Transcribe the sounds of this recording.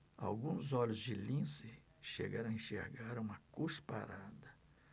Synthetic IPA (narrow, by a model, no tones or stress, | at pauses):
a̰wɡũzɔʎʊzd͡ʒɪlĩsɪ | ʃeɡaɾ̃ɐẽʃḛɾɡaɾũmɐkuspa̰ɾad̪ɐ